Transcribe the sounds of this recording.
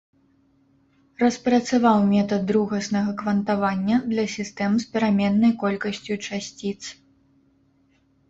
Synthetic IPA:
rɐspɾɐt̪savawmʲɛt̪ɐd̪ːɾuɣɐsnɐɣɐkvɐnt̪avanʲːɐd̪lʲɐsʲist̪ɛmɨspʲɛɾamʲɛnːɐjkɔlʲkɐsʲt͡sʲut͡ʂasʲt͡sʲit̪s

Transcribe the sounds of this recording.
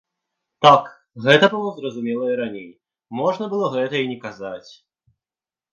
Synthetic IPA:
t̪ak | ɣɛt̪ɐbɨlˠɔzɾɐzumʲɛlˠɐiɾanʲej | mɔʐnɐbɨlˠɔɣɛt̪ɐinʲɛkazat͡sʲ

